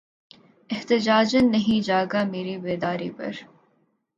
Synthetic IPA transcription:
ɪht̪ɪd͡ʒaːd͡ʒənːɐɦĩd͡ʒaːɡameːɾibeːd̪aːɾipɐ̰ɾ

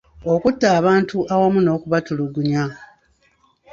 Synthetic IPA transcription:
okutːaːβaːntuʔawamuno̞ːkuβatuluɡuɲa

